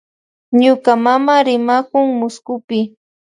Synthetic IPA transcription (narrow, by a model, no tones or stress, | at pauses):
ɲʊkamamaɾɪmakʊŋmʊskʊpɪ